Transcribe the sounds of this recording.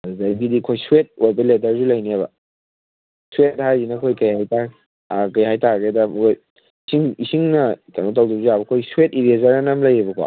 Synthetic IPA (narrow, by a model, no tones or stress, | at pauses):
zajbidikʰojsuwet̚ojbɐletaɾzulɐjniabɐ̰ | suet̚hajzinɐkʰojkɐjhajta | akajɦajtaɡedɐmkʰoj | isiŋisiŋnɐtanotawdubzijabɐkʰojsuet̚iɾiezaɾanɐmlɐjebɐkʰa̰